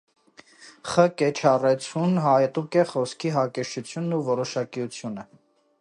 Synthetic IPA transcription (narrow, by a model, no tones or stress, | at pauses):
χəkɛt͡ʃʰɑrɛt͡sʰunɦɑjt̪ukɛχɔskʰiɦɑkɛʃʰut͡sʰjunːuvɔɾɔʃɑkiut͡sʰjunə